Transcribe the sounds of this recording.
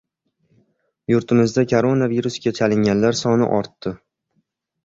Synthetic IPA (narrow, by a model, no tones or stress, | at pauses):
jʊɾt̪ʰɪmɪzd̪akʰoɾo̞naviɾusɡʲat͡ʃʰalɪŋʲanlaɾsɒnɪ̰ʔɒɾt̪ːɪ